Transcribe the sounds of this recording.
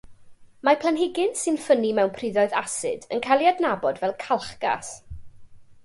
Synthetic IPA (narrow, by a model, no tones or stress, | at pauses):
mapʰlˠanɦɪɡɪnsɨnfənimɛwnpʰrɪðɔɨðasɪ̰dənkʰajlˠiadnabɔdvɛlˠkʰalˠχɡ̥a̰s